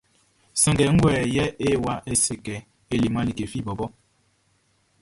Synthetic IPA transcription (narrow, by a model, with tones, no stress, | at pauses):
sa˨ŋɡɛ˨˦ŋ̩˦ɡwɛː˨jɛ˦e˦wa˦ʔe˦se˨kɛ˨ | e˦li˨ma˦li˨ke˨fi˦˨bɔ˨bɔ˦